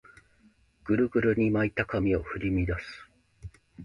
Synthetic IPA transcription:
ɡ̥ɯ̟ɾɯ̟ɡɯ̟ɾɯ̟ɲ̟imait̪akamʲio̞ɸɯ̟ɾʲimʲid̪asɨ̥

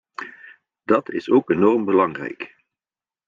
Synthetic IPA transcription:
d̥ɑtɪsoːkenɔrmbəlɑŋrɛ̰jk

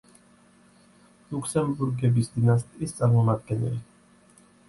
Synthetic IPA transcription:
lukʰsɛmbuɾɡɛbisd̪inas̬t̪ʼist̪sʼaɾmɔmad̪ɡɛnɛ̰li

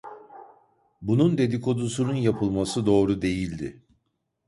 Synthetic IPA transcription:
bunund̪e̞d̪iko̞d̪usununjapʰɯlˠmasɯd̪o̞ːɾud̪e̞jilʲd̪ɪ

